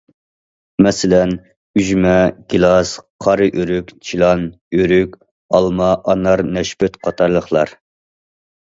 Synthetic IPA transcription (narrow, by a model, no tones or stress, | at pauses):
mɛsɪlɛn | yʒmɛɡ̥ʲilˠɑsqʰɑɾɨʔøɾykʲt͡ʃʰilˠɑn | øɾykʲ | ɑlˠmɑʔɑnɑɾnɛʃpɛt̪qʰɑt̪ʰɑɾlˠəχlˠɑɾ